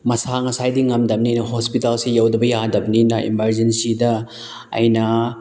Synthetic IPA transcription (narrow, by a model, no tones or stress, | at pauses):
mɐsaŋɐsajdiŋɐmdɐm̚ninɐhospitalsijawdɐbɐjadɐb̚ninɐʔḭmɐɾd͡ʒensidɐ | ɐ̰jnɐ